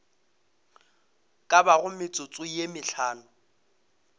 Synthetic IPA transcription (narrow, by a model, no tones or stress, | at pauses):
kʼabaɣʊmɪt͡sʼʊt͡sʼʊjemɪɬʰaːnʊ